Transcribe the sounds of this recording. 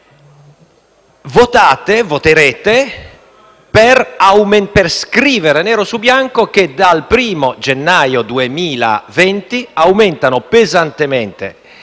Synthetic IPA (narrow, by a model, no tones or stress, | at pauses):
vot̪aːt̪evot̪eɾeːt̪e | peɾawmenperskɾiːveɾenɛːɾosubjaŋkok̟ed̪alpɾiːmod͡ʒenːajod̪uemiːla̰vɛnt̪iawmɛnt̪anopezant̪emɛnt̪ḛ